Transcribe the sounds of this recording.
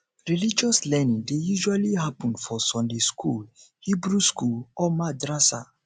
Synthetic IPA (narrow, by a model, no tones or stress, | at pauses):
ɹilid͡ʒɔslɛnĩŋdejuʒualiɦapɔ̃ndfɔsɔ̃ndeskʰul | hibɾuskulɔmadɹasa̰